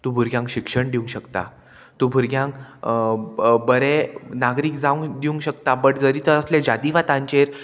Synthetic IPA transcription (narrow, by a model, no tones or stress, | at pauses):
t̪ũbʱuɾɡjãŋkɕikʂəɳɖiũŋɕəkt̪a̰ | t̪ũːbʱuɾɡjãŋk | bəɾẽnaɡɾiːkd͡zaʋũŋɖ̪iũŋkɕəkt̪apəɳd͡zəɾit̪əɾəslẽd͡ʑad̪iʋat̪ãɲt͡ɕeɾ